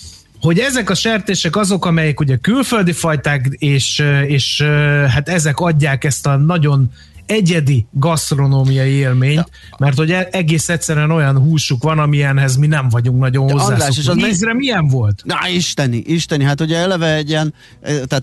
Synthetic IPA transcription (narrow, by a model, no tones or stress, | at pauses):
ho̞ɟɛzɛkɒʃɛrt̪eːʃɛkɒzo̞kɒmɛjɛkuɟɛkylføld̪ifɒjt̪aːkeːʃøeːʃøɦat̪ɛzɛkɒɟːaːkɛst̪ɒnɒɟo̞n | ɛɟɛd̪iɡɒst̪ro̞noːmijɒjieːlmeːɲt̪ | mɛrt̪ho̞ɟɛɛɡeːsɛt̪sɛɾyɛno̞jɒnɦuːʃukʋɒnɒmiɛnɦɛzminɛɱvɒɟuŋk̚nɒɟo̞nhozːaːaoʃeɛzrɛmijɛɱvo̞lt̪aiʃt̪ɛniʔiʃt̪ɛniɦat̪oɟɛɛlɛvɛɛɟːiɛn | t̪at̪